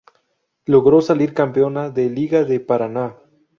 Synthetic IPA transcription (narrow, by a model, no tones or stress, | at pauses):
loɣɾo̞saliɾkampeonaðeliɣaðepaɾana